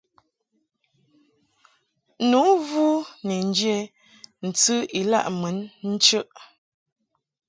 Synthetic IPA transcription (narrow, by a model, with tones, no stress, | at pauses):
nu˨˦vu˦ne˨n˦d͡ʒe˦ | n̩˨t͡sɨ˦i˨la̰˦˨ʔmə˨˦nn̩˦t͡ʃə˦ʔ